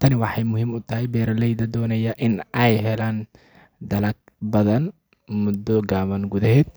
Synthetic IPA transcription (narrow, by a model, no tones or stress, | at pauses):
t̪ʰɐnɪwɑħɑjmʊɦiːmʊt̪ʰɐɦɛjbɛːɾɐlɛjd̪ɐd̪ɔːnɐjɐʔɪnʔɛjɦɛlaːn | d̪ɐlɐk̚ | bɐðɐn | mʊd̪ːɔɡaːmɐnɡuðɐɦɛːd̪̚